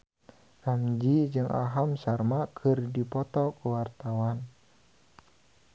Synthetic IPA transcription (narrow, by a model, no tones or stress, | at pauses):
kamd͡ʒid͡ʒɨŋʔa̰ɦamsarmakʰɨrdipɔt̪ɔkəwart̪awan